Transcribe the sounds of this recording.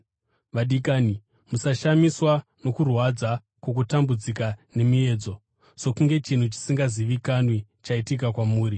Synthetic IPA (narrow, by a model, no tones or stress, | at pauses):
ʋaɗikaːni | musaʃamiswano̞kurwad͡za | kok̬utambud͡zikane̞mie̞ːd͡zo̞ | so̞kuŋɡe̞t͡ʃin̤ut͡ʃi̥siŋɡaziʋikanwit͡ʃaitik̬akwamuːɾi